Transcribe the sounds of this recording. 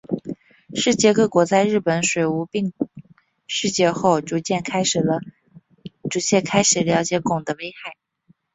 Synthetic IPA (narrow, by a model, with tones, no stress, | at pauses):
ʂɻ̩˥˧t͡ɕjɛ˥˧kɤ˥˩kwɔ˧˥t͡sa˥˧ɪɻɻ̩˥˩pə˧˩˦nʂwe˨˩ɪu˧˥pi˥˧ŋ | ʂɻ̩˥˧t͡ɕjɛ˥˧xo˥˩ʊʈ͡ʂu˧˥t͡ɕjɛ˥˩nkʰa˥ɪʂɻ̩˨˩lə˦ | ʈ͡ʂu˧˥t͡ɕʰjɛ˥˩kʰa˥ɪʂɻ̩˨˩ljɑ˧˥ʊt͡ɕjɛ˧˥kʊ˨˩ŋd̪ə˦we˥ɪxa˥˩ɪ